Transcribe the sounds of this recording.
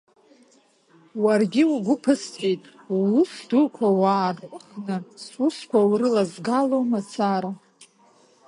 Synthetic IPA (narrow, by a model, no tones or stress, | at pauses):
warɡʲiuɡʷʊpʰɨstʰʼejtʼː | ʊsdukʷʰawaːrʷʼʊχnɨsuskʷʰawrɨlazɡalomat͡sʰaɾa